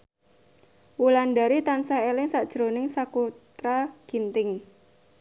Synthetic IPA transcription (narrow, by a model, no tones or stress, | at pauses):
wulanda̤ɾit̪ansahelɪŋsaʔd̥ʒ̥ɾonɪŋsakut̪ɾaɡ̥i̤nt̪ɪŋ